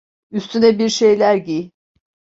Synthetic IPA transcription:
yst̪ʰynɛbiɾʃe̞jlʲæɾɟi

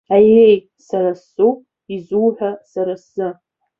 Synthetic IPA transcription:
ajej | saɾasu | izuːħʷᶣasaɾasɨ

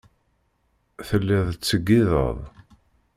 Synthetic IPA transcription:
θəlːɪðˤt͡sːəɡːiðə̰ðˤ

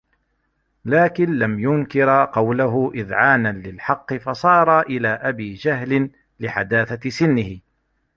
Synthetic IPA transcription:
laːkɪnlamjʊnkɪɾqɑwlaɦʊʔɪðʕaːnanlɪlħɑqːɨfɑsˤɑːɾˤɑʔɪlaːʔabiːd͡ʒaɦlɪn | lɪħa̰d̪aːθasɪnːɪhɪ

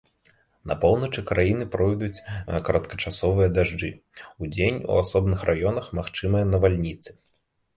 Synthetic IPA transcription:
nʔɐ̰pɔwnɐt͡ʂɨkɾajinɨpɾɔjd̪ut͡sʲkɐɾɐt̪kɐt͡ʂasɔvɨjɐd̪aʐd͡ʐɨ | ud͡zʲenʲṵasɔbnɨxrʔajɔnɐxmaxt͡ʂɨmɨjɐnɐvalʲnʲit̪sɨ̥

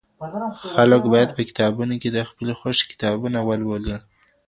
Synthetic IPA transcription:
xaləkbɑjad̪̚pəkɪ̥t̪ɑbunoked̪əxpəlexoʃkɪ̥t̪ɑbunawalwoli

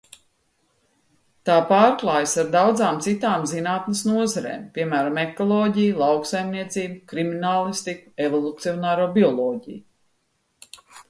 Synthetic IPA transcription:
t̪aːpaːɾklˠaːjsaɾd̪awd̪zaːmt̪sit̪aːmzinaːt̪nɐsnuɔzaɾḛːmpʲiɛmæːɾamekɔlˠɔːɟijlˠawksajmniɛt̪siːbukɾiminaːlˠist̪ikuevɔlˠut̪siɔnaːɾoːbiɔlˠɔːɟḭj

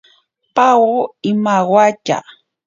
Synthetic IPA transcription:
pawoɪmawwat͡ʃa̰

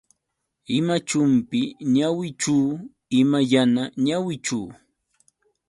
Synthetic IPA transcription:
ɪmat͡ʃʊmpɪɲawɪt͡ʃuː | ɪmajanaɲawɪt͡ʃuː

